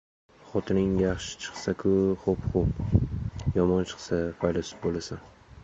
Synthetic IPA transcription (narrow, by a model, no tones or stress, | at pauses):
χɒt̪ʰɪnɪŋjɑχʃɪ̥t͡ʃʰɨ̥χsakʰʊχopχop | jɒmɒnt͡ʃʰɨ̥χsafajlɒsɪ̥bolˠasan